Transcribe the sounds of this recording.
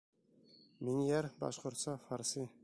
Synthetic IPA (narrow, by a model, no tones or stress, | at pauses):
minʲjæɾbɑ̰ʃqŏɾt̪sɑfɑɾsi